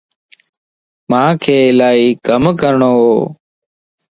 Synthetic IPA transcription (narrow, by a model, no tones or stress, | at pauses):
mãːkʰeːlaːiːkəmkəɾɳoːɦoː